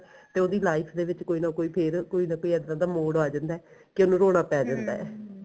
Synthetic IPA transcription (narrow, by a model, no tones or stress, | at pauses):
t̪eːoːd̪iːlaːɪpʰd̪eːʋɪt͡ʃkoːiːnaːkoːiːpʰɪɾkoːiːnãːkoːiːɛd̪nãːd̪aːmoːɽaːd͡ʒãːnd̪aɛː | kɪonũːɾoːɽ̃aːpɛːd͡ʒãːnd̪a̰ːɛ̰ː